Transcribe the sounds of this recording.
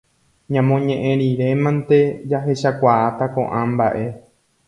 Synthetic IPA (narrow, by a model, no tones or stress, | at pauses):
ɲãmõɲẽʔẽɾiɾe̞mãnt̪e̞d͡ʒaɦe̞ʃakʷaat̪akõ̞̰ʔãmbaʔe̞